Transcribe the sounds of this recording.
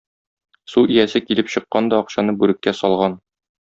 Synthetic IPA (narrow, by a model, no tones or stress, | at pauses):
suʔijæsɘkilɘpɕɤ̆qːɑnd̪ɒːqɕɑnɤbʉɾɘ̆kːæsɒlˠʁɑn